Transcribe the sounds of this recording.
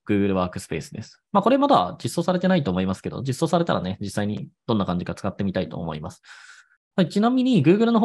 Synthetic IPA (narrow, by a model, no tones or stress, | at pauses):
ɡ̥ɯ̟ːɡɯ̟ɾɯ̟βaːkɯ̟sɨ̥pe̞̰ːsɨd̪e̞̰sɨ̥mako̞ɾe̞mad̪ad͡ʑisːo̞ːsaɾe̞t̪e̞nait̪oːmo̞imasɨ̥ke̞d̪o̰d͡ʑisːo̞ːsaɾe̞t̪a̰ɾa̰ne̞d͡ʑisːaiɲ̟ḭd̪̥o̞nːakãɲ̟d͡ʑikat͡sɨ̥kat̪ːe̞mʲit̪ait̪o̞̰ːmo̞̰ḭmasɨ̥ | hait͡ɕinãmʲiɲ̟iɡɯ̟ːɡɯ̟ɾɯ̟no̞ɦ